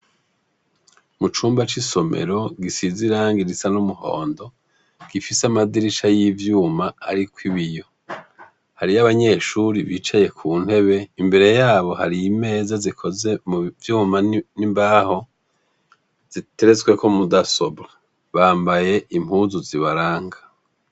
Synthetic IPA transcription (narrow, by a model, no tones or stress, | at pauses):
mut͡ʃuːmbat͡ʃiso̞mḛɾo̞ɡisiziɾaːŋɡiɾisanumuho̞̰ːndo̞ | ɡ̥ifisamadiɾiʃajivjuːmaːɾikwiβijo̞ | haɾiaβaɲe̞ʃuɾiβiːt͡ʃaje̞kʰuːn̥he̞βe̞imbe̞ɾe̞jaːβo̞haɾiime̞ːzazikʰo̞ze̞muvjuːmanimbaːho̞ | z̥iteɾezɡwe̞kʰo̞mudaso̞bɾa | βaːmbaje̞ʔimhuːzuziβaɾaːŋɡḁ